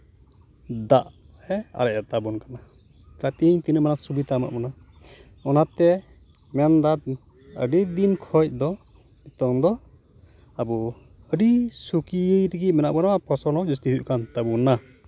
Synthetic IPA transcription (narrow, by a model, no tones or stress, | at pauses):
d̪aʔ | ɛa̰ɾɛʔat̪abunkana | kat̪iɲt̪inəmanasubit̪ama̰ʔbɔna | ɔnat̪ɛ | mɛnd̪at̪̚ | ə̰ɖid̪inkʰɔc̚d̪ɔ | ɛt̪ɔŋd̪ɔ | abɔ | əɖisukijəjɾiɡic̪̚mɛnaʔbɔnaapɔsɔnɔd͡ʒɔst̪iɦuʔkant̪abuna